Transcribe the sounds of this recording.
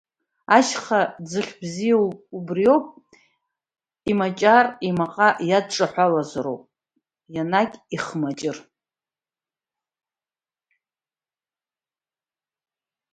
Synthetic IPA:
aʃχad͡zɨχʲbzijaubrio̞wpʼ | imat͡ʃʼarimaqʼajad̚ʈ͡ʂʼaħʷalazaɾo̰wpʼ | janakʲʼiχmat͡ʃʼɪr

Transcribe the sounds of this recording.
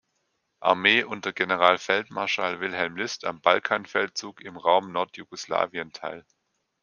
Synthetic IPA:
ʔa̰ɐmeːʔʊnt̚d̥ɐɡenəʁ̞aːlfɛltmaɐʃaːlvɪlɦɛlmlɪsta̰mb̥alkʰaːnfɛlt̚t͡suːkɪmʁaʊmnɔɐtʰjuɡosla̰ːviəntʰa̰ɪl

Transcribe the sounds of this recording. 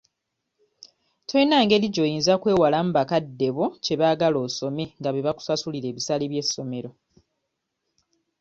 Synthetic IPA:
tʰoinaːŋɡe̞liɟo̞jiːnzakwe̞ːwalam̩bakadːe̞βoce̞βaːɡalo̞ːso̞me̞ŋɡaβeβaku̥sasuliɾe̞ːβisaleβje̞sːo̞me̞ɾo̞

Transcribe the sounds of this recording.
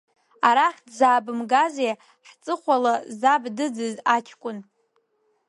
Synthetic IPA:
aɾaχʲdzaːbɨmɡazej | ħt͡sʼɨχʷalazabdɨd͡zɨzat͡ʃʲʰkʷʼʊn

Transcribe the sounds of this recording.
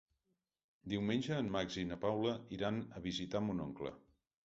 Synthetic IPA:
d̪iwmenʲd͡ʒəːmmaɡzinəpawləiɾanəβizit̪amunoŋklə̰

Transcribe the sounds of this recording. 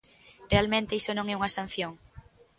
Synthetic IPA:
realmẽnt̪eisonõŋɛuŋɐasan̟θjoŋ

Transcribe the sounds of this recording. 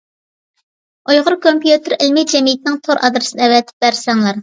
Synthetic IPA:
ojʁʊɾkʰompjut̪ɨɾɪlmɪd͡ʒɛmijɪt̪ʰɪnɪŋt̪ʰoɾʔɑ̰d̪ɾɨsɨnɨɛvɛt̪ʰɪ̥p̚bæɾsɛŋlˠɑɾ

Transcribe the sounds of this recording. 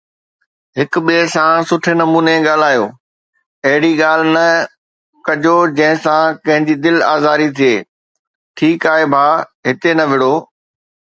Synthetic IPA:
ɦɪkʊɓiesãsʊʈʰenɐmuːneɠaːl̤aːjoː | ɐɦɪɽiɠaːl̤nɐ | kɐʄod͡ʑɐ̃ɦɪ̃sãkɐ̃ɦɪ̃ɲd͡ʑid̪ɪlaːzaːɾit̪ʰieː | ʈʰiːkaːɦebʱaːɦɪt̪enɐʋɪɽoː

